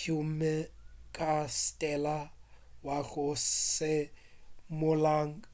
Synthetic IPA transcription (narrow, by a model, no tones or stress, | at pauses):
umɛkʼastʼɛlawaɣʊsɪ | mʊlaːŋ̩